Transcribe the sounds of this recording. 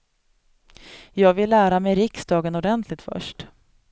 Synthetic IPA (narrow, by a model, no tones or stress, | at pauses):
jɑːɡvɪlːæːɾamɛjɾɪksd̪ɑːɡənɔɖɛnt̪ʰlɪɡ̚t̪fœ̰ʂʈ